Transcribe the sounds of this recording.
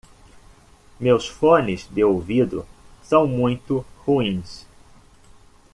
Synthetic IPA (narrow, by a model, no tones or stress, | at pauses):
mewsfõnɪzd̪ɪowvid̪ʊ̰sɐ̃w̃mũj̃t̪ʊhuĩs